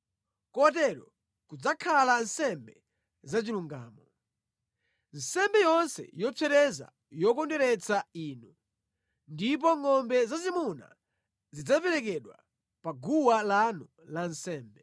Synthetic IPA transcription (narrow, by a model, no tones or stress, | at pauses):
kɔt̬ɛɾɔ | kud͡zakʰalansɛmbɛ | zat͡ʃiluŋɡa̰ːmɔ | n̩sɛmbɛjɔnsɛ̰jɔt͡sʰɛɾɛza̰ | jɔkɔndɛɾɛt͡saiːnu | ndip̬ɔŋɔmbɛzazimuna̰ | zid͡zapɛɾɛk̬ɛɗwa | paɡuwalanu | lansɛːmbɛ